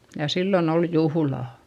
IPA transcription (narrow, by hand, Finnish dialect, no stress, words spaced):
jɑ silːon ol juhŭlɑˑ